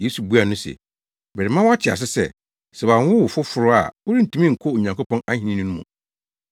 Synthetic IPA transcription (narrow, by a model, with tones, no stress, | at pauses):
je˦su˨bu˦a˨nʊ̃˦sɛ̰˨ | bɛ˨ɾɪ˨mã˦wa˦t͡ɕʰɪ˨a̰˨s̬ɪ˦sɛ̰˨ | sɛ˨bã˨n˦wʊ˦wfʊ˦fʊ˨ɾʊ˦a̰˨wʊ˦ɾi˦n̩˨tʰũ˦mĩ˦ŋ̩˨kʰo˦˨ɲã˨ŋko˦pɔ̃˦na˦hĩ˨nĩ˦nɪ̃˦nʊ̃˦mṵ̃˨